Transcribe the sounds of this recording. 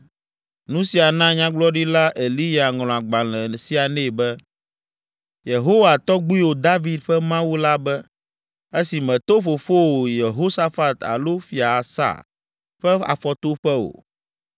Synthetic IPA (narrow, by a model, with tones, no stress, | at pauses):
nũ˦si˨a˨nã˦ɲã˦ɡ͡blɔ˦ɖi˦la˦ʔe˨li˦ja˨ŋl̃ɔ̃˨a˨ɡ͡ba˨lɛ̃˨si˦a˨nɛ̃˦˨bɛ˦ | je˨ɦo˦wa˨t̪ɔ˦ɡ͡bu˦i˦wo˨d̪a˦vi˨d̪ɸɛ˦mã˦wu˦la˦bɛ˦ | e˦si˨mɛ̃˨t̪o˦fo˨fo˦wo˨je˨ɦo˦sa˦fa˨t̪a̰˨lo˦fi˨a˨sa̰˦˨ | ɸɛ˦a̰˨fɔ˦t̪o˦ɸɛ˦wo̰˨